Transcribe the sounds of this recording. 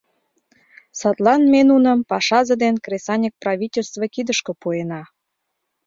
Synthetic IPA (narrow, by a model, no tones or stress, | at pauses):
sɑt̪lɑnmenunə̆mpɑʃɑzə̆d̪enkresɑnʲək̚prɑvʲitʲelʲst̪vəkid̪əʃkŏpuenɑ